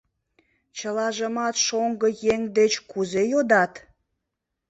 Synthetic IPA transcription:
t͡ɕəlɑʒəmɑt̪ʃoŋɡəjeŋd̪et͡ɕkuzejod̪ɑt̪

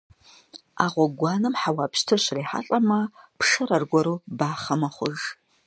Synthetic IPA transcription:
aʁʷɔɡʷɑːnɨmħawaːpʰʃtʰɐʃriːħa̰ɬʼɐmɐpʰʂɐɾɐrɡʷɔɾuːbaːχɐmɐχʷʊʒ

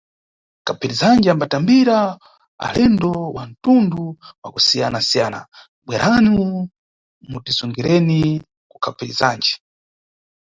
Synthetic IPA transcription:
kapiɾizand͡ʒiambatambiɾa | a̰lɛndɔwan̩tunduwa̰kusijanasijaːna̰ | ɓwɛɾʔani | mutisuŋɡiɾɛni | ku̥kʰapʰiɾizand͡ʒi

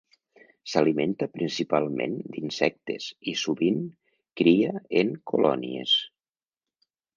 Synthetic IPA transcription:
saliment̪əpɾinsipalˠmḛ̃nd̪insɛk̚t̪esisuβiŋ | kɾiaeŋkolɔ̰niḛs

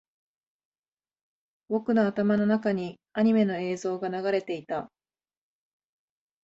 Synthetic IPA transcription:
βo̞kɯ̟noat̪amano̞nakaɲ̟i | aɲ̟ime̞no̞e̞ːzo̞ːɡanaɡaɾe̞t̪e̞it̪a

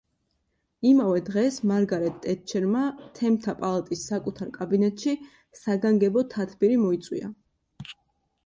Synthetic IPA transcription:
imavɛd̪ʁɛsmaɾɡaɾɛt̪ːʼɛt̪̚t͡ʃʰɛɾmat̪ʰɛmt̪ʰapʼalˠat̪ʼisːakʼut̪ʰaɾkʼabinɛt̪ʼʃi | saɡaŋɡɛbɔt̪ʰat̪ʰbiɾimɔit̪sʼwḭa̰

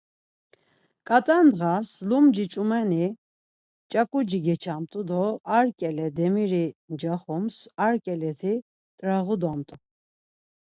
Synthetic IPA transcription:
kʼat̪ʼand̪ʁaslumd͡ʒit͡ʃʼumɛni | t͡ʃʼakʼud͡ʒiɡɛt͡ʃʰamt̪ʼud̪ɔaɾkʼɛlɛd̪ɛmiɾind͡ʒaχumsaɾkʼɛlɛt̪ʰi | t̪ʼɾaʁud̪ɔmt̪ʼu

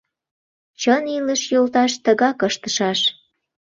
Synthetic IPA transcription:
t͡ɕəniləʃjolt̪ɑʃt̪əɣɑkəʃt̪ə̥ʃɑʃ

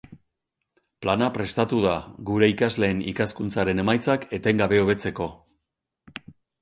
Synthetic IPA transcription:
planapɾe̞st̪at̪uðaɡuɾe̞ikazle̞ːnḭkaskunt͡saɾe̞ne̞majt͡sake̞t̪e̞ŋɡaβ̞e̞o̞β̞e̞t͡se̞ko̞

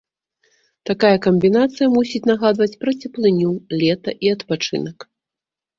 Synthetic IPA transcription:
t̪akajɐkɐmʲbʲinat̪sɨjɐmusʲit͡sʲnaɣad̪vɐt͡sʲpɾɐt͡sʲɛplˠɨnʲulʲɛt̪ɐʔiɐt̪pat͡ʂɨ̰nɐk

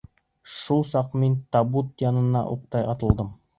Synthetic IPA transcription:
ʃulˠsɑqmint̪ɑbut̪̚jɑnɤ̆nɑ̰ʔṵq̚t̪ɑjɑt̪ɤ̆lˠd̪ɤm

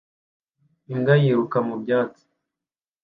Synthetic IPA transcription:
iŋɡajiɾukamubɟaːt͡si̥

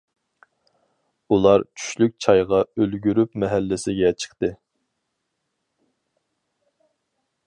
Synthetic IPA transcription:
ulˠɑɾt͡ʃʰy̥ʃlyk̚ʲt͡ʃʰɑjʁɑølɡʲyɾypmɛɦælːɪsɪɡʲɛt͡ʃʰə̥χt̪ɨ

